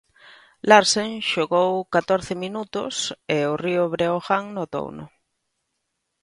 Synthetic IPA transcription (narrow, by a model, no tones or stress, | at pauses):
laɾseŋʃoɣowkat̪oɾθɪminut̪ʊ̰sɪʊriʊβɾeoxaŋnot̪o̰wnʊ̰